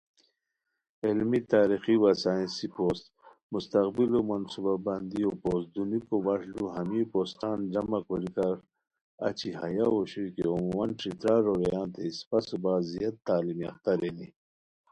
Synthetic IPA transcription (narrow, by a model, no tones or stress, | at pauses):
elmit̪aːɾixiwasaːĩnsipoːst̪ | must̪ɐqbilomɐnsubabɐnd̪iopoːsd̪unikobɐʂduɦɐmipoːst̪aːnd͡ʑɐmɐkoɾik̪aɾ | ɐ̰t͡ɕiɦɐjaoɕikeomumɐnʈɾit̪ɾaːɾoɾejãːnt̪ʰeispɐsubaːzijɐt̪̚t̪aːlimiɐ̰xt̪aɾeni